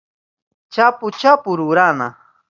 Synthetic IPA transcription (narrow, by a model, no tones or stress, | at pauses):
t͡ʃapʊt͡ʃapʊɾuɾana̰